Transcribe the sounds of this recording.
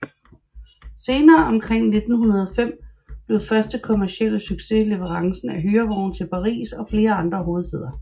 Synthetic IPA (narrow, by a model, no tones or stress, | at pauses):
se̝ːnɐːʔɒ̽mkʰʁeŋ̰ne̝d̥n̩hunɐð̞ˠɒ̽fem̰ | b̥le̝ʊfɶɐsd̥əkʰo̝mæɐsiel̰syɡ̥se̝le̝ʋəʁɑ̈ŋsn̩æɦyːɐʋɒʊn̩t͡sʰe̝lpʰɑ̈ʁḭːsɒ̽fle̝ːɐɑ̈nd̥ʁɐɦo̝ːð̞̩ˠseð̞̰ˠɐ